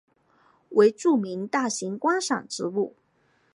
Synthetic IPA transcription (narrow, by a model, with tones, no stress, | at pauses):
wʔe˧˥ɪʈ͡ʂu˥˩mi˧˥nt̪a˥˩ɕi˧˥ŋkwa˥ʂɑ̰˨˩ŋʈ͡ʂɻ̩˧˥u˥˩